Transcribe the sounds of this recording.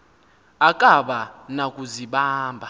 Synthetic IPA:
akʼaɓanakʼuziɓaːmbʱa

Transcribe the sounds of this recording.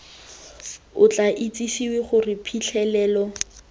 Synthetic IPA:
ʊt͡ɬʼaʔit͡sʼisiweχʊrɪpʰiɬʰɛlɛːlɔ

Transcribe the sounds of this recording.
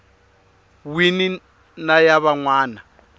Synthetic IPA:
wini | najaβaŋwaːna

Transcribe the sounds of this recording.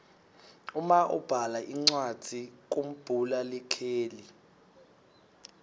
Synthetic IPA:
umaʔṵb̥ʱalaʔiŋ͡ǀwad̥ʱik̬ʼom̩b̥ʱulalɛkʰeːli

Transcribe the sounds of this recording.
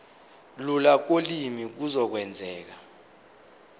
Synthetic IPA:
lulak̬olimik̬uzɔk̬wɛnd͡zʱɛːk̬a

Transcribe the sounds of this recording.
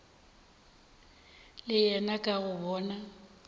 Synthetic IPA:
lɪjɛnakʼaɣʊbɔːna

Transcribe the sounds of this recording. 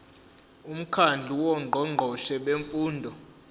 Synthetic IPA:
um̩kʰand͡ɮʱuwɔŋ͡ǃʱɔŋ͡ǃʱɔʃɛɓeɱfuːndʱɔ

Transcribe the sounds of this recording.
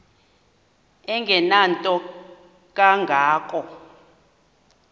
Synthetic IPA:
ɛŋɡʱɛnantʼɔ | k̬ʼaŋɡʱaːkʼɔ

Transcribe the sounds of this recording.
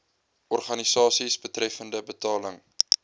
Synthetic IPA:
ʔɔrχɐnisɑːsisbətrɛfəndəbətɑːləŋ

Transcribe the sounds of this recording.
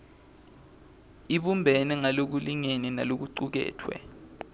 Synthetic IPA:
iɓumbʱɛnɛŋalok̬uliŋenina̰lok̬uǀuk̬ɛ̰ːtʰwɛ̰

